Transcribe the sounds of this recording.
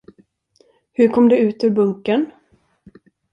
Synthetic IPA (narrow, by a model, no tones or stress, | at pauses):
hɵɾkʰɔmd̪ɛʉ̟ːt̪ʉːɾbɵŋkən